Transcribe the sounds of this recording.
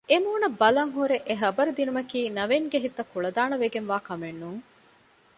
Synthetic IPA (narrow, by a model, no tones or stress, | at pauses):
emuːnɐbːɐlɐŋɦuɾeʔeɦɐbɐɾud̪inumɐkiːnɐʋeŋɡeɦit̪ːɐkuɭɐd̪aːnɐʋeɡenʋaːkɐmenːuŋ